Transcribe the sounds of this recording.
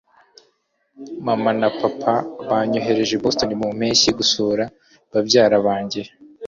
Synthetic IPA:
mamanapapʰaβaɲoɦe̞ɾe̞ʒebo̞sto̞nimum̥eːɲsiɡusoːɾa | βabɟaːɾaβaːɲɟe

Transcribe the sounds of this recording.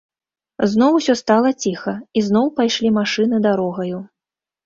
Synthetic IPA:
znɔwsʲɔst̪alˠɐt͡sʲixɐiznɔwpajʂlʲimaʂɨnɨd̪aɾɔɣɐju

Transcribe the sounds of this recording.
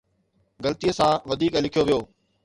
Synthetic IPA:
ɡɐlt̪ijəsãʋɐd̪ʱiːklɪkʰijoʋijoː

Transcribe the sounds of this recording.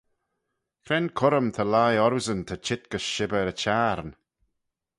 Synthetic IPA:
kʰɾɛnkʰʊɾəmt̪ʰəlajɔɾɪzənt̪ʰət͡ʃʰɪt̪̚ɡ̥əsʃɪbəɾət͡ʃaːɾn

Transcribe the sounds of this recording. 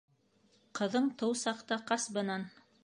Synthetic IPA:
qɤ̆ðɤɴt̪ɤwsɑqt̪ɑqɑsbɤ̆nɑn

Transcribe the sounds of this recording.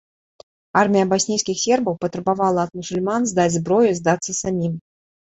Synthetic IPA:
armʲijəbasʲnʲijskʲixsʲerbəwpət̪ɾɛbavalˠəɐt̪mʊsʊlʲmanzd̪at͡sʲzbɾɔjʊzd̪at̪sːəsamʲim

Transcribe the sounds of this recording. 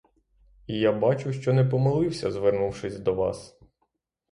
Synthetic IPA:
ijabɑt͡ʃʊʃt͡ʃɔnɛpɔmelˠɪwsʲɐzʋɛrnuwʃɪsʲd̪ɔʋɑ̰s

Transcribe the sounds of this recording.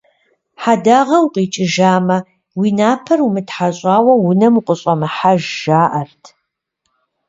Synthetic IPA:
ħadaːʁɐwqʼiːt͡ʃʼɪʒaːmɐ | wiːnaːpʰɐrumɨtħaɕʼaːwɐwʊnɐmuqʷʼəɕʼɐmɨħaʒʒaːʔɐrtʰ

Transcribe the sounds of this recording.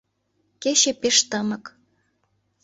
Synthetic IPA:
keɕepeʃt̪əmɤ̆k

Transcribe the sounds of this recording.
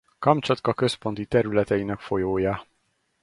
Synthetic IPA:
kɒmt͡ʃɒt̪kɒkø̞spo̞nt̪it̪ɛɾylɛt̪ɛinɛkfo̞joːjɒ

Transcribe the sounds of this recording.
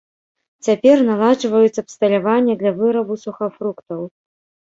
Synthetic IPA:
t͡sʲapʲɛrnalˠad͡ʐvɐjut̪sɐpst̪ɐlʲavanʲːɛd̪lʲɐvɨɾɐbusuxɐfɾukt̪ɐw

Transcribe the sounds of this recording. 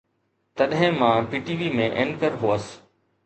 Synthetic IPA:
t̪ɐɗɦɪ̃mãːpiːʈiːʋiːmẽʔẽnkəɾɦoːəs

